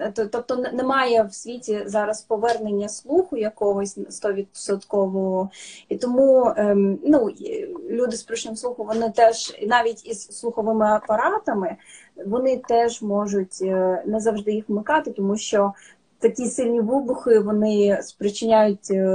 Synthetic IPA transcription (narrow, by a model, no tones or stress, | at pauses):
t̪t̪ɔp̚t̪ɔnnɛmɑjɛwsʲʋʲitʲizɑɾɐspɔʋɛrnenʲːɐslˠuxʊjɐkɔɦɔsʲst̪ɔʋʲid̪̚sɐt̪kɔʋɔɦɔit̪ɔmu | nulʲud̪ɪspɾɔʃnɪmsˠuxɔmʋɔnɪt̪ɛʒ̥inɑʋʲitʲizslˠʊxɐɔʋɪmɪɐpɐɾɑt̪ɐmɪ | ʋɔnɪt̪ɛʒmɔʒʊtʲnɛzɐwʐd̪ɪjixmɪkɑt̪ɪt̪ɔmuʃt͡ʃɔ | t̪ɐkʲisɪlʲnʲiʋɪbʊxɪʋɔnɪspɾɪt͡ʃɪnʲajʊt̚ʲ